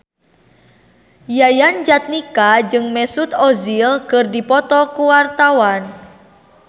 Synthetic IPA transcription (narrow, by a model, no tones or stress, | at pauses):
jajand͡ʒat̪̚nikad͡ʒɨŋmɛsut̪ɔzilkɨrdipɔt̪ɔkuwart̪awan